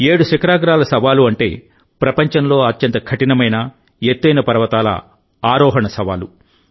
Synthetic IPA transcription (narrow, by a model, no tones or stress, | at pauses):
eːɽuʃɐkɐɾaːɡɾaːlɐsɐʋaːluɐɳʈḛː | pɾɐpɐɲt͡ʃɐnlo̞ːɐt̪jɐnt̪ɐkʰɐʈinɐmɐjnɐ | et̪ːɐjnɐpɐɾɐʋɐt̪aːlɐ̰ | aːɾɔːɦɐɳɐsɐʋa̰ːlu